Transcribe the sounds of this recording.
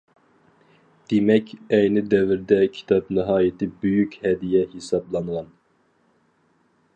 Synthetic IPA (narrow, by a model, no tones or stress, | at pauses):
d̪̥emɛkʲɛjnɪd̪ɛvɪɾd̪ɛkʲʰi̥t̪ʰɑpnɪɦɑːjɪt̪ʰɪbøjykʲhɛd̪ijɛhisɑblˠɑnʁɑn